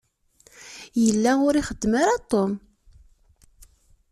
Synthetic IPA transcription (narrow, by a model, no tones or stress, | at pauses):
jəlːaʊɾiχəd̪ːmaɾat̪ˤːom